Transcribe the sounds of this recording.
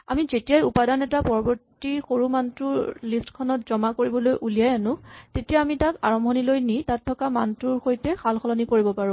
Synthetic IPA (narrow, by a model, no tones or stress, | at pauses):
a̰mizetijajupadanɛtapɔɹɔbɔɹtixoɹumantɹuɹlistkʰɔnɔt̚zɔmakoɹibɔlojʔulijajanʊ̃tetijaːmitaka̰ɹɔmbʱɔnilojnitatʰːɔkamantɹuɹxojtɛxʰalxɔlɔnikoɹibɔpaɹʊ̃